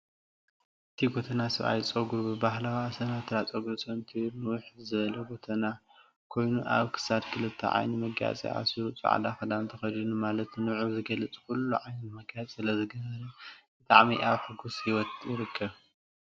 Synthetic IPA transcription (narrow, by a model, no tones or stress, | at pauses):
ʔɨt̪ʰiɡot̪ʰɐnasɐβa̰jt͡sʼɐɡuɾbɨbahlɐaːsɐnat̪ʰɨɾat͡sʼɐɡusʼɐnt̪ʰinɨwʊħzɨβɐlɐɡo̞t̪ʰɐna | kʰo̞jnuʔa̰βkʰɨ̥sad̪kʰɨlɨt̪ʰːɐ̰ʕa̰jnimɐɡja̰t͡sʼḭʔa̰siɾut͡sʼṵʕa̰d̪axɐd̪ant̪ʰɐxɐd̪inumalɐt̪nɨʕuzɨɡɐlɨt͡sʼkʰulːuʕajniɨmɐɡjat͡sʼsɨlɐzɨɡɐβɐɾɐbɨt̪ʼaʕmiʔaβħɨɡusjɪwɔt̪jɪɾɨkʰːɐβ